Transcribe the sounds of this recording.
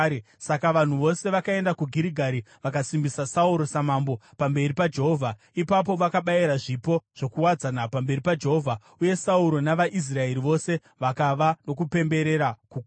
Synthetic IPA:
sakaʋan̤uʋo̞se̞ʋakae̞ndakuɡʱiɾiɡʱaɾi | ʋakasimbisasauɾo̞samaːmbo̞pambe̞ripad͡ʒe̞ɦovʱa | ipap̬o̞ʋakaɓaiɾaʐipo̞ʐ̥o̞kuwad͡zanapambe̞ɾipad͡ʒe̞ɦo̞vʱa | uje̞sauɾo̞naʋaʔis̬rae̞ɾiʋo̞se̞ | ʋakaʋano̞kupe̞mbe̞ɾe̞ɾakuk

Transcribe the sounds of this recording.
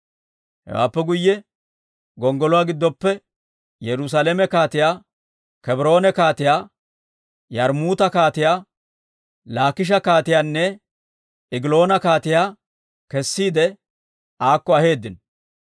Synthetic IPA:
hɛ̰wa̰ːpːɛɡʊjːɛ | ɡɔŋɡɔlɔwaːɡɪd̪ːɔpːɛ | jɛɾʊs̬alemɛkaːt̪ɪjaː | kɛbɾo̞ːnɛkaːt̪ɪjaː | jɐɾmuːt̪ɐkaːt̪ɪjaː | laːkɪʃ̬ɐkaːt̪ɪjaːnːɛ | ɪɡɪlo̞ːnɐkaːt̪ɪjaː | kɛsːiːd̪ɛ | aːkːɔɐhe̞ːd̪ːɪn

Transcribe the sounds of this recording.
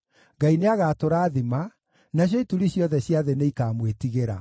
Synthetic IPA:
ŋɡaineaɣaːtoɾaːðima | naɕ̬jɔituɾiɕjɔðɛɕjaðɛneikaːmwetiɣeɾa̰

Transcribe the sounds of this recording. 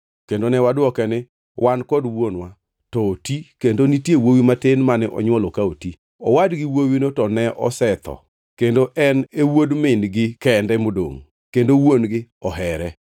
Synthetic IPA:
kendonɛwadɔkɛnɪ | wʔankɔdwonwa | tɔotikendonitjewowimatenmanɛʔɔ̰ɲwɔlokaoti | ɔ̰wadɡɪwowinotɔnɛʔɔ̰sɛt̪ɔ̰ | kendoʔɛnewodmɪnɡɪkɛndɛmodo̰ŋ | kendowonɡɪɔɦɛɾɛ

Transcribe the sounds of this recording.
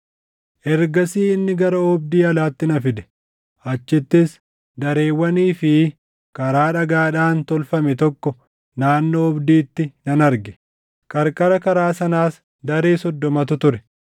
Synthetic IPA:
ʔɛɾɡɐsiːɪnːɪɡɐɾɐɔb̚d̪iːɐlaːt̪ːɪnɐfɪd̪ɛ̥ | ɐt͡ʃːɪt̪ːɪs | d̪ɐɾe̞ːwːɐniːfɪ | kɐɾaːᶑɐɡaːᶑaːnt̪ɔlfɐmɛt̪ɔkːɔ | naːnːɔɔbd̪iːt̪ːɪnɐnɐɾɡɛ̥ | kʼɐɾkʼɐɾɐkɐɾaːsɐnaːs | d̪ɐɾeːsɔd̪ːɔmɐt̪ʊt̪ʊɾɛ

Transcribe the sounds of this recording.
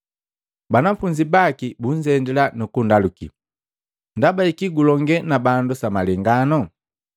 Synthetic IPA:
banafuɲd͡ʒibakibuɲd͡ʒɛndɛlanukundaluki | ndabaikiɡulɔŋɡɛnabandusamalɛŋɡanɔ

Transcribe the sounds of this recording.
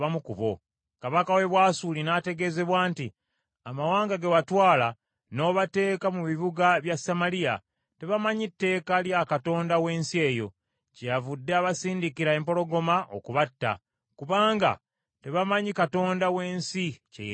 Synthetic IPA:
amukuβo̞̰ | kaβakawe̞βwaːsulinate̞ɡe̞ze̞βwaːnti | amawaːŋɡaɡewatwaːla | no̞ːβate̞ːkamuβiβuɡaβjasamalija̰ | te̞βamaɲitːe̞ːkaljakato̞ːndawe̞ːnsie̞ːjo̞̰ | cejavudːeaβasiːndikiɾae̞ːmpo̞lo̞ɡo̞maʔokuβatːa̰ | kuβaːŋɡa̰ | te̞βamaɲikato̞ːndawe̞ːnsice

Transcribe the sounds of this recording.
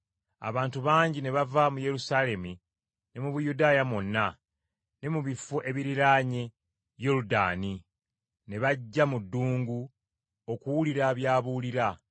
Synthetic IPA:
a̰βaːntuβaːɲɟine̞βavamuje̞ɾusaːle̞mi | ne̞muβujudaːjamonːa | ne̞muβifoʔe̞βiɾiɾaːɲe | joɾuda̰ːni | ne̞βaɟːamudːuːŋɡu | o̞kuwuliɾaβjaːβuliɾa

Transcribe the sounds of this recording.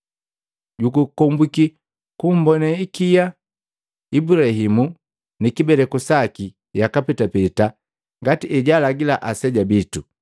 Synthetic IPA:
ɟukukɔmbiki | kum̩bɔnaikija | ibuɾahimu | nikibɛlɛkusaki | jakapɛtapɛta | ŋɡatiɛɟalaɡilaʔasɛɟabitu

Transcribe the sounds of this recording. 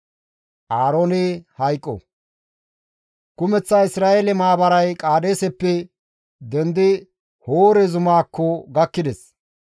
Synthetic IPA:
ʔaːɾoːnɛhɐjkʼːɔ̰ | kʊmɛt͡sːaːɪsɾaːʔeːlɛmaːbɐɾɐjkʼaːd̪eːsɛpːɛ | d̪ɛnd̪ɪ | hoːɾɛzʊmaːkʰːɔɡɐkːɪd̪ɛs

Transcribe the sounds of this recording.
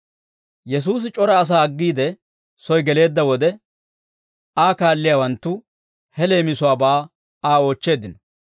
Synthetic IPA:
jɛs̬uːs̬ɪt͡ʃʼɔɾɐːs̬aːɐɡːiːd̪ɛ | sɔjɡɛle̞ːd̪ːɐwɔd̪ɛ | aːkaːlːɪjaːwɐnt̪ːʊ | hɛle̞ːmɪsʊwaːbaː | aːo̞ːt͡ʃːe̞ːd̪ɪnɔ

